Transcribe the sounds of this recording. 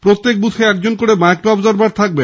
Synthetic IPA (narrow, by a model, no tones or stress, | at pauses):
pɾot̪ːek̚but̪ʰeɛk̚d͡ʑonkoɽemaek̚ʈɔbzaɾbaɾt̪ʰak̚be